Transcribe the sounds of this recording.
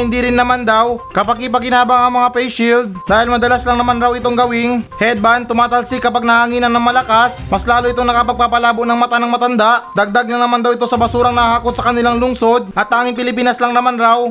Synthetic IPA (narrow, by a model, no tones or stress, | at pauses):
hɪnd̪iɾɪnːɐmand̪awkɐpaɡ̚kɪp̬ɐɡɪnaːbɐŋɐŋmɐŋapɛjʃild̪̚d̪aːhɪlmɐd̪ɐlaslɐŋnɐmanɾawɪt̪oŋɡɐwɪŋhɛd̪̚bant̪ʊmaːt̪ɐlsɪkɐpaɡ̚nɐhaŋiːnɐnɐŋmɐlɐkasmɐslaːloʔɪt̪oŋnɐkɐpɐɡ̚paːpɐlaːboʔnɐŋmɐt̪anɐŋmɐt̪ɐnd̪aʔd̪ɐɡ̚d̪aɡ̚lɐŋnɐmand̪ɐwɪt̪o̞sɐbɐsuːɾɐŋnɐhaːkot̪̚sɐkɐnɪlaŋlʊŋso̞d̪̚ʔɐt̪̚ːaːŋɪŋpɪlɪpiːnɐslaŋnɐmanɾaw